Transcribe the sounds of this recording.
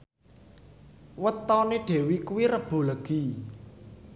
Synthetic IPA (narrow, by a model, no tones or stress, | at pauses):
wət̪ɔneɖ̥e̤wikuwirəb̥o̤ləɡ̥i